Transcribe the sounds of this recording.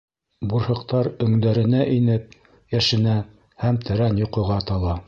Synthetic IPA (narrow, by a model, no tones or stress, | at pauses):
buɾhɤ̆qt̪ɑɾɵ̆ŋd̪æɾɘ̆næʔinɘp̚ | jæʃɘ̆næ | hæmt̪ʰɘ̆ɾænjŏqɤ̆ʁɑt̪ɑlˠɑ